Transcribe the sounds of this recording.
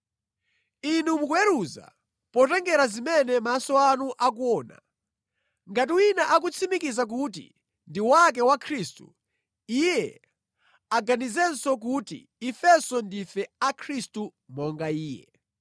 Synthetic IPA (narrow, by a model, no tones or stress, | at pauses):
inumukwɛɾuza̰ | pɔtɛŋɡɛɾazimɛnɛmasɔanuʔak̬uɔːna̰ | ŋɡat̬iwinaʔak̬ut͡sʰimikizak̬utḭ | ndiwak̬ɛwakʰɾistṵ | ijɛ | aɡanizɛnsɔk̬utḭːfɛsɔndifɛakʰɾistumɔŋɡaiːjɛ̰